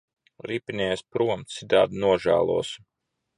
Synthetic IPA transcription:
ɾipʲinʲɛːjspɾuɔmt̪sid̪a̰ːd̪nuɔʒæ̰ːlˠṵɔs

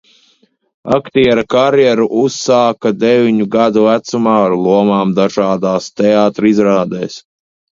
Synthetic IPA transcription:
a̰kt̪iɛɾakaɾjɛɾuʔusːaːkad̪ɛvʲiɲuɡad̪uvæt̪sumaːaɾlˠuɔmaːmd̪aʒaːd̪aːst̪ɛaːt̪ɾizɾaːd̪ɛːs

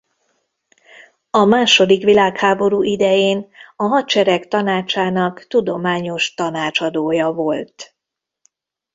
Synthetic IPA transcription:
ɒmaːʃo̞d̪ikʋilaːkhaːbo̞ɾuːʔid̪ɛjeːnɒɦɒt͡ʃɛɾɛkt̪ɒnaːt͡ʃaːnɒkt̪ud̪o̞maːɲo̞ʃt̪ɒnaːt͡ʃɒd̪oːjɒvo̞lt̪

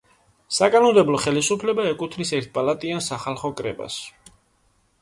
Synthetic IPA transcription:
sakʼanɔmd̪ɛblˠɔχɛlisupʰlɛbaɛkʼut̪ʰnisɛɾt̪̚ʰpʼalˠat̪ʼiansaχalˠχɔkʼɾɛ̰ba̰s

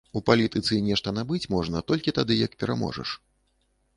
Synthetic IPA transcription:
upalʲit̪ɨt̪sɨnʲɛʂt̪ɐnabɨt͡sʲmɔʐnɐt̪ɔlʲkʲit̪ad̪ɨjɐk̚pʲɛɾa̰mɔ̰ʐɐ̰ʂ

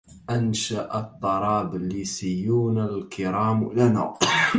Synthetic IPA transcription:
ʔanʃaʔd̪ˤːɑɾˤɑːblisijːuːnalkɪɾaːmlana̰

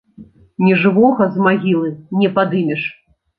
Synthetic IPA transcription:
nʲɛʐɨvɔɣɐzmaɣʲilˠɨnʲɛpad̪ɨmʲɛʂ

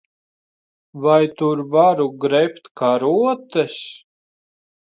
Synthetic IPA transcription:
vajt̪uɾvaɾuɡɾɛpt̪kaɾuɔt̪ɛs

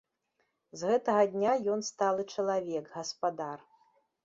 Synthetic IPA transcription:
zɣɛt̪ɐɣɐd̪ʲnʲajɔnst̪alˠɨt͡ʂɐlˠavʲɛɡɣɐspad̪ar

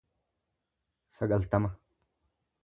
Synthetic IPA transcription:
sɐɡɐlt̪ɐma

